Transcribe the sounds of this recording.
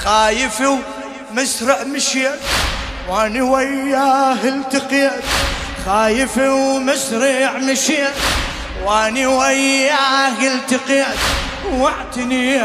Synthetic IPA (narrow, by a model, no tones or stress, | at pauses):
xaːjɪfiw | masɾɪʕmɪʃja | waːniwajːahɪlt̪ɪqjat | xaːjɪfiwmɪsɾiːʕmɪʃja | waːniwajaɣɪlt̪ɪqjat | waʕt̪ni